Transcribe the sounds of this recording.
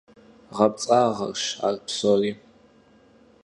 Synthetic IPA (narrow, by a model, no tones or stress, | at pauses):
ʁɐp̚t͡sʼaːʁɐ̰rʃa̰ːrpsoːriː